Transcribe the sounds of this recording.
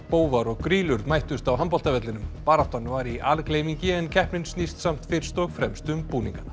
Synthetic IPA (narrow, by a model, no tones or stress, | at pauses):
poːwvaɾɔɣkɾiːlʏɾðmajht̪ʏst̪awɦampɔl̥t̪avɛt̪lɪnʏmpaɾat̪ɔnvaɾiʔalkleːjmiɲcɪɛncʰɛhpnɪnsnist̪sam̥t̪fɪɾ̥st̪ɔɣfɾɛmst̪ʏmpuːniŋka